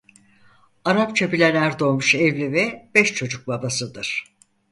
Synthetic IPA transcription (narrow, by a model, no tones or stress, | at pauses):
aɾap̚t͡ʃʰabilʲenæɾd̪o̞lmuʃɛvlʲivɛb̥ɛʃt͡ʃʰo̞d͡ʒuk̚babasɯd̪ɯɾ̥